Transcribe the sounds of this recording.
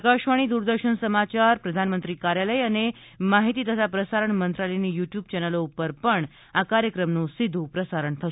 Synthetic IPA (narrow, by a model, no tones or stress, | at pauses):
kaɕʋaɽ̃iːd̪uːɾd̪əɾɕəɳsəmat͡ɕaɾpɾəd̪ʱanmənt̪ɾiːkaɾjaləjane | maɦit̪iːt̪əsapɾəsaɾəɳmənt̪ɾaleniːjuʈjuːb̚t͡ɕɛnəloupəɾpəɳ | akaɾjəkɾəmnuːsid̪ʱːupɾəsaɾəɳt̪ʰə